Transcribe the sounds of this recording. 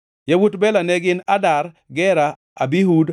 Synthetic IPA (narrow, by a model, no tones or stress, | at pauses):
jawutbɛlanɛɡɪnadaɾ | ɡɛɾa | a̰biɦud